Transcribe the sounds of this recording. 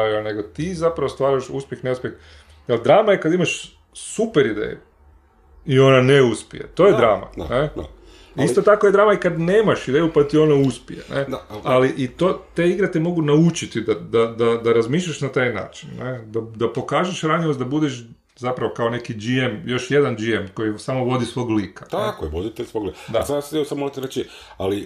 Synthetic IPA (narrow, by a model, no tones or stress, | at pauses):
aiane̞ɡot̪izapɾaʋost̪ʋaːɾaʃṵspʲjexneuspjex | jeld̪ɾaːmajekad̪imaʃ | supeɾid̪ḛju | io̞naneuspḭjḛt̪o̞ːjed̪ɾaːma̰ne | ist̪ot̪akojed̪ɾaːmaikad̪ne̞ːmaʃid̪ejupat̪io̞nauspḭjḛnealiʔit̪oːt̪eiɡɾat̪emo̞ɡunaut͡ʃit̪id̪ad̪ad̪ad̪aɾazmiːʃ̬ʎʲaʃnat̪ajna̰ːt͡ʃinːed̪ad̪apo̞kaːʒeʃɾaɲeosd̪abud̪eʃ | zapɾaʋo̞kao̞ne̞kid͡ʒiemjo̞ʃje̞d̪and͡ʒiemko̞jisamo̞ʋo̞d̪isʋo̞ɡliːkḁaekojeʋod̪it̪eʎʲsʋoɡlikd̪asassamoɾat̪eɾet͡ʃi | ali